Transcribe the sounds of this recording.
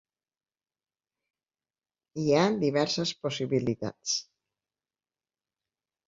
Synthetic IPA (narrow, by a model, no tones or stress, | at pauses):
iad̪iβɛɾsəsposiβilit̪a̰t͡s